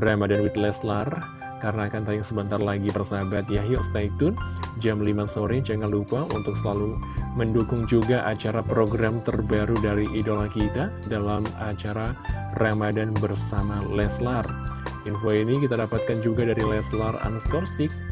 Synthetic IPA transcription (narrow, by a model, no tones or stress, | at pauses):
ramadanwit̪lɛslar | kaɾənaːkant̪ajʊŋsəbənt̪arlaɡipərsabat̪̚jaɦiɔst̪ait̪ʊnd͡ʒamlimasoɾɛd͡ʒəŋanlupaʔṵnt̪ʊk̚səlaluməndukʊŋd͡ʒuɡaʔat͡ʃaɾapɾoɡɾamt̪ərbaɾudaɾiʔidolakit̪a | dalamat͡ʃaɾaramadanbərsamalɛslarʔinfoinikit̪adapat̪̚kand͡ʒuɡadaɾilɛslara̰nskɔrsɪk̚